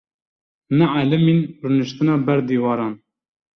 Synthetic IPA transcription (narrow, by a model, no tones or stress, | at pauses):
nɛʕaːlɛmiːnrɨnɨʃt̪ɨnɑːbɛɾd̪iːwɑːɾɑːn